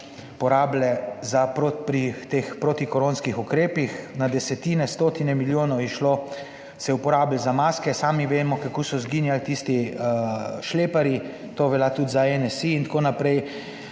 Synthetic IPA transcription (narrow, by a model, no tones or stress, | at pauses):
pɔɾaːblɛzapɾopɾit̪expɾot̪ikɔɾoːnskixukɾeːpixnad̪ɛsɛt̪iːnɛst̪oːt̪inɛmiljoːnɔwjɛʃlo | sɛɛupɔɾaːblzamaːskɛsaːmiʋeːmɔkakoːsɔzɡiːnjalt̪ist̪i | ʃleːpaɾi | t̪oːʋɛljat̪ud̪zaɛnɛsiːnt̪akoːnapɾɛj